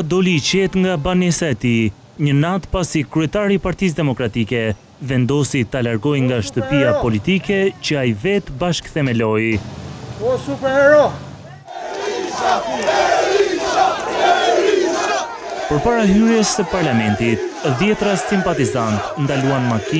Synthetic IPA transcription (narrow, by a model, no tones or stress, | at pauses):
d̪ɔlit͡ɕɛt̪ŋɡabanɛsaɛt̪i | ɲənat̪pasikɾɛt̪aɾipaɾt̪is̬d̪ɛmɔkɾat̪ikɛ | vɛnd̪ɔsit̪alaɾɡɔjŋɡaʃt̪əppiapɔlit̪ikɛt͡ɕəajvɛt̪baʃkθɛmɛlɔj | p | pəɾpaɾaɦyɾjɛsəpaɾlamɛnt̪it̪ðjɛt̪ɾasimpat̪izant̪nd̪aluanmaki